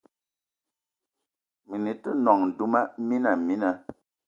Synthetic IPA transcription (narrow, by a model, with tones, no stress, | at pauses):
mi˨ni˨tə˦nɔ˨ŋn̩˨du˦ma˦mi˦na˨mi˦na˨